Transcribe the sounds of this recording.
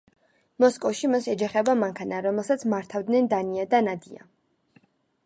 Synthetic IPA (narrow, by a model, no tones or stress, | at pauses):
mɔskʼɔfʃimasɛd͡ʒaχɛbamaŋkʰanaɾɔmɛlˠsat̪sʰmaɾt̪ʰavd̪nɛnd̪aniad̪anad̪ia̰